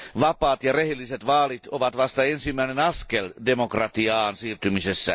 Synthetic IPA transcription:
ʋɑpɑːt̪jɑrehelːiset̪ʋɑːlit̪oʋɑt̪ʋɑst̪ɑensimːæinenɑskeldemokrɑt̪iɑːnsiːrt̪ymisesːæ̰

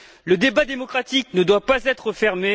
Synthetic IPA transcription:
ləd̪ebad̪emɔkχat̪iknəd̪wapazɛt̪χəfɛʁme

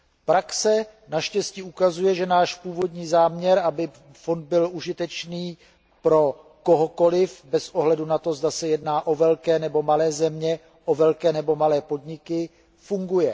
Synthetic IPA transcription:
pɾaksɛ | naʃcɛsciʔukazujɛʒɛnaːʃpuːvo̞dɲiːzaːmɲɛɾʔabɪ | fo̞nd̪̚bɪlʔuʒɪt̪ɛt͡ʃniː | pɾo̞ | koɦoko̞lɪfbɛsʔo̞ɦlɛdunat̪o̞zdasɛjɛdnaːʔo̞vɛlkɛːnɛbo̞malɛːzɛmɲɛ | ʔo̞vɛlkɛːnɛbo̞malɛːpo̞dɲɪkɪ | fuŋɡujɛ

